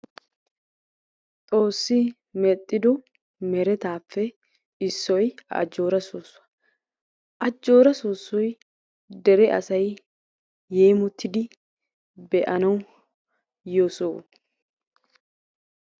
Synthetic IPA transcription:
t̪ʼo̞ːsːɪ | mɛt̪ʼːɪd̪ɔ | mɛɾɛt̪aːfːɛ | ɪsːɔjɐ̰d͡ʒo̞ːɾɐsoːsːʊɐ | ʔɐd͡ʒːo̞ːɾɐsoːsːɔj | d̪ɛɾɛʔɐ̰sɐj | jːeːmʊt̪ʰːɪd̪ɪ | bɛʔɐnɐw | josoː

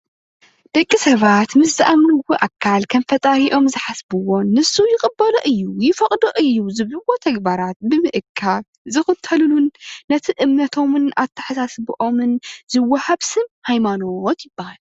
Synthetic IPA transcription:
d̪̥ɐkʼːisɐβat̪mɨszɨʔamɐɡwuʔakʰːalkʰɐmfɐt̪ʼahiʔo̞mzɨħasbɨwo̞nɨsːujɪkʼɨbːɐlɐʔɨjːujɪfɐχʼd̪oʔɨjːuzɨβlɨwo̞t̪ʰɐɡbaɾat̪̚bɨmɨʔɨkʰːa | zɨxɨt̪ʰːɐlulunːɐt̪ʰiʔɨmnɐt̪ʰo̞mɨnat̪ʰːɐ̥ħasasbɨʔo̞mɨnzɨwːɐhaβsɨmhajmano̞t̪jɪbːahal

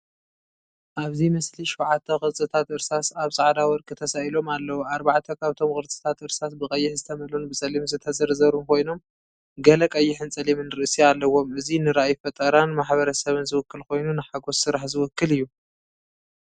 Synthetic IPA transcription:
ʔaβzimɐsliʃwʕat̪ʰːɐxʼɨɾt͡sʼɨt̪ʰat̪ʔɨɾsasaβsʼaʕd̪awɔɾkʼɨt̪ʰɐsaʔilo̞malːɐwuaɾbaʕt̪ʰɐkʰaβɨt̪ʰo̞mkʼɨɾt͡sʼɨ̥t̪ʰat̪ɨɾsasbɨkʼɐjːɪħzɨt̪ʰɐmɐlunbɨsʼɐlimzɨt̪ʰɐzɐɾzɐɾumkʰo̞jno̞m | ɡɐlɐkʼɐjːɪħɨnt͡sʼɐlimɨnɨɾɨʔsialːɐwo̞mɨzinɨɾaajfɐt̪ʼɐɾanmaħbɐɾɐsɐβɨnzɨwʊkːɨlko̞jnunɨħaɡo̞ssɨɾaħzɨwʊkːɨlɨjːu

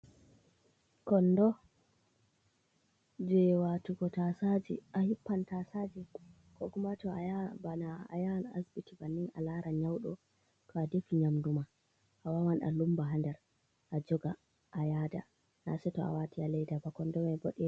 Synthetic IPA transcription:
kɔndɔ | d͡ʒɛwatuɡɔtasad͡ʒḭʔahipːantasad͡ʒi | kɔɡumatɔajabanaa̰jana̰sbitibanːina̰laɾʔaɲawɗɔ̰ | tʰɔadefiɲamduma | ʔawawanʔa̰lumbaɦandɛɾ | ʔad͡ʒɔɡa | ʔajada̰ | na̰sɛtɔa̰watialɛjdabakɔndɔmɛbɔɗɛ

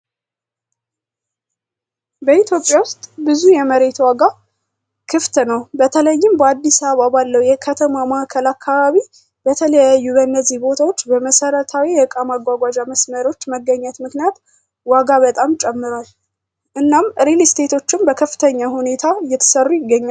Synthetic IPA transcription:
bəit̪ʰjo̞pʼjawʊst̪ʼbɨzujɛməɾe̞t̪waɡa | kʰɨft̪nəwbət̪ʰələjːɪmbəad̪ːisaβabalːəwjɛkʰət̪ʰəmamakʰəlakʰːaβaβi | bət̪ʰələjajːubənːəzihbo̞t̪ʰawo̞t͡ʃːbəməsəɾət̪ʰawiɛɨkʼamaɡʷwaɡʷad͡ʒaməsməɾo̞t͡ʃːməɡːəɲːɛt̪mɨknijat̪ | waɡaβət̪ʼamt͡ʃʼɛmːɨɾal | ʔɨnːamɾilist̪ʰe̞t̪ʰo̞t͡ʃːɪmbəkʰəfːɨ̥t̪ʰəɲːahune̞t̪ʰajɛt̪ʰːə̥sərːujɪɡːəɲːal

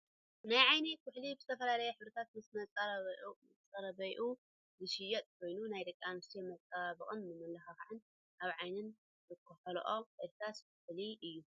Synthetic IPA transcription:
najʕajnekʰʊħlibɨzɨt̪ʰɐfɐlalɐjɛħɨβɾɐt̪ʰat̪mɨsmɐt͡sʼɐ | t͡sʼɐɾɐbɐjʔu | zɨʃɪjɐt̪ʼkʰo̞jnunajd̪ɐkʼːamɨst̪ʰemɐt͡sʼːaβaβɨkʼɨnmɨmɨlɐxaxaʕɨn | ʔaβʕajnɨn | zɨkʰʼːɐħɐloʔoɨɾt̪ʰɾaskʰʊħliʔɨjːu

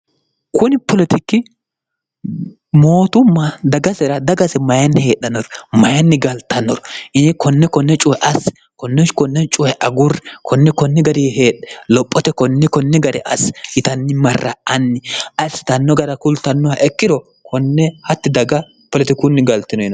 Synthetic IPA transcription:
kʊnɪpʰɔlɛt̪ɪkːɪ | mo̞ːt̪ʊmːɐd̪ɐɡɐsɛɾɐd̪ɐɡɐzɛmɐjɐnːɪhe̞ːɗːɐnːɔɾɔmɐjɐnːɪɡɐlt̪ɐnːɔɾɔʔɪkʰɔnːɛkɔnːɛt͡ʃʼʊhɛʔɐs | kɔnːɛkɔnːɛt͡ʃʼʊhɛʔɐɡʊrɛkʰɔnːɛkɔnːɪɡɐɾiːɦe̞ːɗɛlɔpʼːɔt̪ɛkɔnːɪkɔnːɛɡɐdɛ̰ʔɐ̰shɪt̪ɐnːɪmɐrːɐɐnːɪʔɐsːɪ̥t̪ɐnːɔɡɐɾɐkʊlt̪ɐnːɔwɐʔɛkːɪd̪ɔ | kʰɔnːɛhɐt̪ːɪd̪ɐɡɐ | pɔlɛt̪ɪkʊnːɪɡɐlt̪ːɪnɔɪn

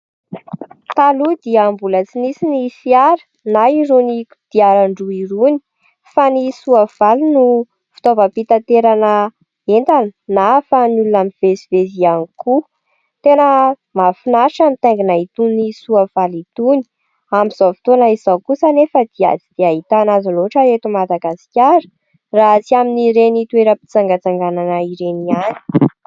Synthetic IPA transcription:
t̪alud̪iəmbulət͡sinisinifiaɾə̥ | naiɾuni | d̪̥iaɾaɳɖ͡ʐuiɾuni̥ | fanisuav̥alinu | fi̥t̪ovəpit̪at̪eɾanə | ent̪anə̥nafanulunamiv̥ezivezianiku | t̪enə | mafinaʈ͡ʂamit̪eŋɡinait̪unisuav̥alit̪uni̥ | amiz̥ovi̥t̪onaizawkusanefəd̪̥ia̰d͡zid̪̥eaɦit̪anazaloʈ͡ʂəet̪umad̪aɡasi̥kʲaɾə̥ | raɦt͡siaminiɾenit̪ueɾəpi̥t͡saŋɡət͡saŋɡananəiɾeniani̥

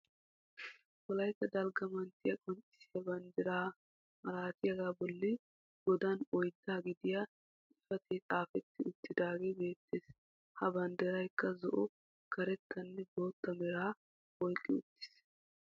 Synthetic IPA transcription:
kɔlɐjk̪ːɐd̪ɐlɡɐmɐnt̪ːɪjɐkʼɔnt͡ʃʼɪ̥sɪjɐbɐnd̪ɛɾaː | mɐɾaːt̪ɪjɐɡaːbɔlːɪ | ɡ̥ɔd̪ɐnɔjd̪ːaːɡɪd̪ɪja | ɪfɐt̪ɛt̪ʼaːfɛt̪ːɪʊt̪ːɪd̪aːɡe̞ːbe̞ːt̪ːeːs | hɐbɐnd̪ɛɾɐjkːɐzɔʔʊ | kɐɾɛt̪ːɐnːɛbo̞ːt̪ːɐmɛɾaː | ɔjkʼːɪʊ̰t̪ːɪ̥s

